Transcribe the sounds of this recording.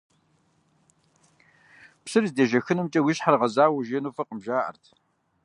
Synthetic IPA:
psɨrzdeʒɐxɨnɨmt͡ʃʼɐwiɕħarʁɐzaːwɐʒeːnuːfɐqəmʒaːʔɐ̰rtʰ

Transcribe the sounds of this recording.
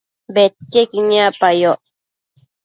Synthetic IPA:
bet̪̚kekiɲapajoʔ

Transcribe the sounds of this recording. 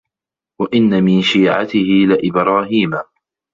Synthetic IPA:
waʔɪnːamɪnʃiːʕa̰t̪ɪhɪlɪʔɪbɾˤɑːɦiːma

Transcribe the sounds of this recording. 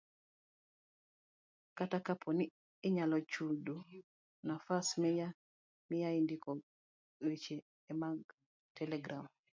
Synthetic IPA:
katakapʰɔniː | ɲalɔt͡ʃudo | nafasmɛja | mijaindikɔ | ɾet͡ʃeː | maɡ | tɛlɛɡɾʔam

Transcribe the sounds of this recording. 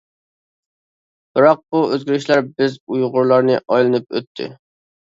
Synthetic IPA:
b̥ɪɾɑq̚buøzɡʲiɾɪʃlæɾbɪzujʁʊɾlˠɑɾnɨʔɑjlˠɨnɨp̚ø̰t̪ʰːɪ̰

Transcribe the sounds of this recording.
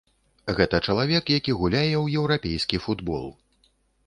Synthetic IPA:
ɣɛt̪ɐt͡ʂɐlˠavʲɛkjakʲiɣulʲajɛwjɛwɾapʲejskʲifud̪bɔ̰lˠ

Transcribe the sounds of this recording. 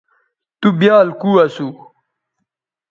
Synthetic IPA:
t̪ubjaːlkuːɐsu

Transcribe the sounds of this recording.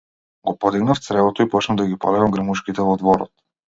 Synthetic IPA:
ɡɔpɔd̪iɡnaft̪sɾɛbɔt̪ɔipɔt͡ʃnavd̪aɡipɔ̰lɛɡamɡɾmuʃkit̪ɛvɔd̪vɔɾɔ̰t̪̚

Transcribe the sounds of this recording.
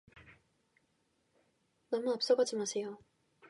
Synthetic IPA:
namuap̚s͈oɡad͡ʑimasʰejo

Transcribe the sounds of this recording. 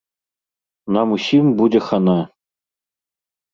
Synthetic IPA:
nɑmusʲimbudʲɘ̆xɑnɑ

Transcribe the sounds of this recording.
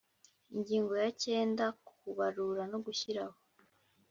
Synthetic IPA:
iɲɟiːŋɡo̞jace̞ːndaku̥kuβaɾuɾano̞ɡuçiɾaho̥

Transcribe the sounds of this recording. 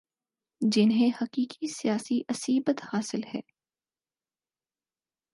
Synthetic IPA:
d͡ʒɪnɦẽhɐqiːkisijaːsiʔɐsiːbət̪haːsɪlhɛ̰ː

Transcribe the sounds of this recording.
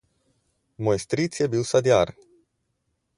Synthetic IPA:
mojst̪ɾit̪sʲiebilsad̪iar

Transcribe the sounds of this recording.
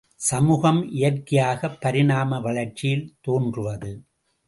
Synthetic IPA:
sɐmuːɣɐmʔɪjɐrkɪjaːɣɐpːɐɾɪnaːmɐʋɐɭɐɾt͡ʃɪjɪlt̪oːndrɯʋɐðɯ

